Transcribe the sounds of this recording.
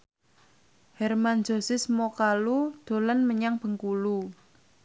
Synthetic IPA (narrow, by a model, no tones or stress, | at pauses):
hɛrman̥d͡ʒo̤sɪsmɔkalud̪̥o̤lanməɲaŋb̥ə̤ŋkulu